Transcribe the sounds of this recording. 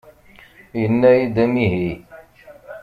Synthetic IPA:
jənːæjid̪æmiɦi

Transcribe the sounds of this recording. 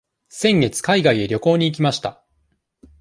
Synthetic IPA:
sẽ̞ŋɡe̞t͡sɨ̥kaiɡaie̞ɾʲo̞ko̞ːɲ̟iːk̬ʲimaɕi̥t̪a

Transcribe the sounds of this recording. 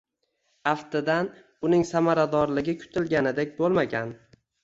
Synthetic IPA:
aft̪ɪd̪an | ʊnɪŋsamaɾad̪ɒɾlɪɡʲɪkʲʰʊ̥t̪ʰɪlɡʲanɪd̪e̞k̚ʲbolˠmaɡʲan

